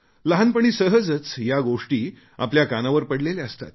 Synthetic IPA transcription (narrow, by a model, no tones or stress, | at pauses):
ləɦanpəɽ̃iːsəɦəd͡zət͡sjaɡoʂʈiː | a̰pljakanaʋəɾpəɽleleəst̪a̰t̪̚